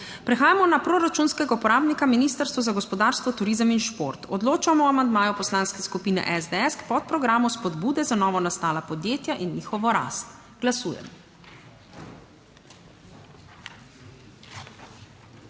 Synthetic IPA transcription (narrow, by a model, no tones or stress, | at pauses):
pɾɛxaːjamɔnapɾoɾat͡ʃunskɛɡaupɔɾaːbnikaminiːst̪əɾst̪ʋɔzaɡɔspɔd̪aːɾst̪ʋɔt̪uɾiːzəminʃpo̰ɾt̪ɔd̪loːt͡ʃamɔamand̪maːjɔpɔslaːnskɛskupiːnɛ̰ʔɛzd̪eɛskpɔt̪̚pɾɔɡɾaːmɔspɔd̪buːd̪ɛzanɔːʋɔnast̪aːlapɔd̪jeːt̪jaʔinːiːxɔʋɔɾa̰st̪ | ɡ̥lasuːjɛ̰m